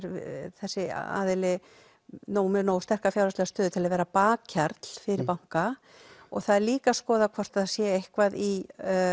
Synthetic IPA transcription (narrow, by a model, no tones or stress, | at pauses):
ɾθɛsːɪ̰a̰ːðɪlɪ | nowmɛnowst̪ɛr̥kafjawlaslɛɣast̪œːðʏt̪ʰɪlaðvɛːɾapaːaɾt̪l̥fɪɾɪɾpawŋ̥ka | ɔɣθaðliːkaskɔːðakʰvɔr̥t̪aðsjɛejhkvaði